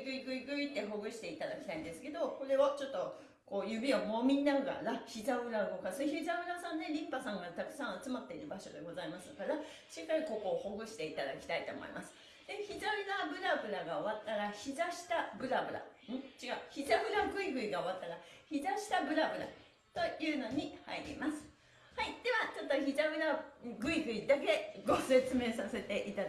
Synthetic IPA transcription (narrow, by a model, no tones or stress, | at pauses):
ɡɯ̟iɡɯ̟iɡɯ̟it̪ːe̞ɦo̞ɡɯ̟ɕi̥t̪e̞it̪ad̪akʲi̥t̪aĩnd̪esɨ̥ke̞d̪o̞ko̞ɾe̞ot͡ɕo̞t̪ːo̞ | ko̞ːjɯ̟bʲio̞mo̞mʲiɲnaɡa̰ɾaçizabɯ̟ɾaɡokasçizabɯ̟ɾasãnːe̞ɾʲĩmpasãŋɡat̪akɯ̟̥sãɰ̃at͡sɨmat̪ːe̞iɾɯ̟baɕo̞d̪e̞̰ɡo̞zaimasɨkaɾa | ɕikːaiko̞ko̞ːho̞ɡɯ̟ɕi̥t̪e̞it̪ad̪akʲi̥t̪ait̪o̞̰mo̞̰ḭmʔasɨ̥ | d̪̥e̞çizaɯd̪abɯ̟ɾabɯ̟ɾaɡaoβat̪ːaɾaçizaɕi̥t̪abɯ̟ɾabɯ̟ɾa̰ɯ̃t͡ɕiɡaɯ̟çit̪abɯ̟ɾaɡɯ̟iɡɯ̟iɡaoβat̪ːaɾaçizaɕi̥t̪abɯ̟ɾabɯ̟ɾa̰ | t̪o̞jɯ̟ːno̞ɲ̟iha̰iɾʲḭmasɨ̥ | haid̪̥e̞βat͡ɕo̞t̪ːo̞çit̪abɯ̟ɾaɡɯ̟iɡɯ̟id̪ak̬e̞ɡo̞se̞t͡sɨme̞ːsase̞t̪e̞ʔit̪a